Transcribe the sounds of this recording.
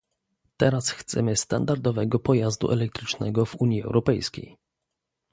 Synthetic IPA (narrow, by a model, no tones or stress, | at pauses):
t̪ɛɾasxt̪sɛmɘst̪and̪aɾd̪ɔvɛɡɔpɔjazd̪ṵʔɛlɛk̚t̪ɾɘt͡ʂnɛɡɔvuɲjiɛ̰wɾɔpɛjskʲḛj